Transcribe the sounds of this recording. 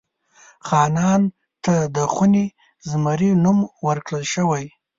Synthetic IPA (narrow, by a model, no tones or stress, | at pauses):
xɑnɑn | t̪ad̪əxuni | zmaɾinumwəɾkɽəlʃəwaj